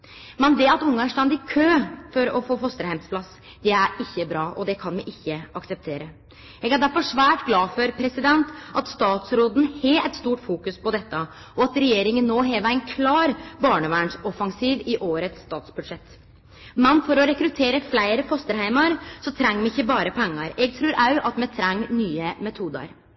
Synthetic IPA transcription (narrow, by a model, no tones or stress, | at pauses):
mɛnd̪ɛɑt̪ʊŋːɑæʂʈɑnd̪ɪkʰøːfɔɾɔfoːfɔst̪əɾhæɪmspʰlɑs | d̪̥ɛæɾɪçːəbɾɑːʔɔd̪ɛkʰɑnʋɛɡɪçːəʔɑksɛp̚t̪ʰeːɾə | ɛːɡæɖæɾfɔʂʋæːʈɡlɑːfɔɾpʰɾɛsɪd̪ɛnt̪ɑt̪st̪ɑːt̪sɾoːd̪n̩hɛɛt̪st̪uːʈfuːkʉspɔd̪ɛt̪ːə | ʔɔɑt̪ɾɛjeːɾɪŋənːoːɦɛːʋəæɪnkʰlɑːɾbɑːɳəʋæːɳʂɔfɑŋsiːʋɪʔoːɾət̪st̪ɑːt̪sbʉd̪ʂɛt̪ː | mɛnfɔɾɔɾɛkɾʉt̪ʰeːɾəflæɪɾəfɔst̪əɾhæɪmɑɾsɔt̪ʰɾɛŋːmɛɪçːəbɑːɾəpʰɛŋːɑɾɛːɡ̚t̪ʰɾʉːɾʔɑʉʔɑt̪mɛt̪ʰɾɛŋːnyːəmɛt̪ʰuːd̪ə̰ɾ